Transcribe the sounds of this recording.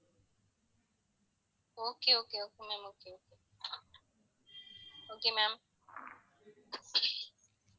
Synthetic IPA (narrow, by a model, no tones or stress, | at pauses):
okeokeokemem̩okeoke | oɡɪmem̩